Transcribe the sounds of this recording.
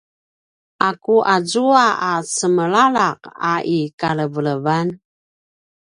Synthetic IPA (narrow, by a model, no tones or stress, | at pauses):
ʔakuʔazuaasəməɭalaqa̰ʔikaləvələvan